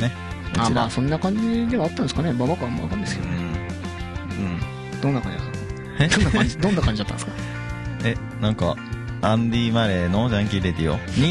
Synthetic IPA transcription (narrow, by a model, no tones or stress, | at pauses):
ne | amaːsõ̞nːakãɲ̟d͡ʑid̪e̞βaːt̪ːãneskanemobakamo̰βa̰kãnd̪eskḛonɯẽ | ɯ̃ | d̪̥onːakã̰ɲd͡ʑid̪at̪ːa | ed̪õnːaaid̪o̞nːakãɲ̟d͡ʑid̪at̪ːãskḁ | e | nãŋka | ãnd̪ʲimaɾenod͡ʑaãŋk̬ʲiɾed̪ʲijo̰ɲi